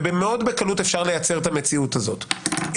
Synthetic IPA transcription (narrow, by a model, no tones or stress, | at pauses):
bemeo̞dbe̞kalutefʃaʁle̞jat͡se̞ʁt̪ame̞t͡siutazo̞t